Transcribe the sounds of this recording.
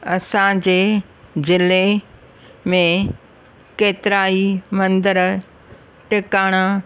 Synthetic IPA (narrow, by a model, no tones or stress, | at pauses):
ɐsãd͡ʑeː | zɪle | mẽ | keːt̪ɪɾaːimɐ̃nd̪əɾ | ʈɪkaːɽ̃a